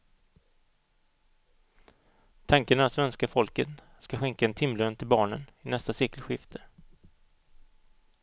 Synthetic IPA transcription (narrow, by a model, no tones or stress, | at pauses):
t̪ʰaŋkənaat̪svɛnskafɔlkət̪ | skaɧɛŋkaɛnt̪ʰɪmlœːnt̪ʰɪlbɑːɳənɪnɛst̪aseːkəlɧɪft̪ʰə̥